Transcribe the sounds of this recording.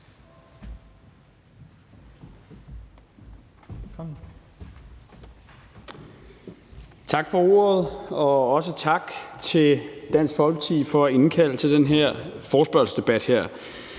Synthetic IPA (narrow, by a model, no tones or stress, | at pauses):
t͡sʰɑ̈ɡ̥fɒ̽o̝̰ːɐð̞̩ˠɒ̽ɒ̽s̬ət͡sʰɑ̈ɡ̥t͡sʰe̝ld̥æn̰sɡ̥fɒ̽lɡ̥ət͡sʰið̰ˠfɒ̽æe̝nkʰæl̰ət͡sʰe̝ld̥enɦeɐ̰ | fɒːsb̥ɶɐlsd̥e̝b̥æd̥heɐ̰